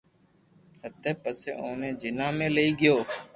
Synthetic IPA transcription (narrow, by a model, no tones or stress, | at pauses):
hət̪eːpəsḛːʔõːnẽːd͡ʒɪnãːmẽːləiːɡɪjoː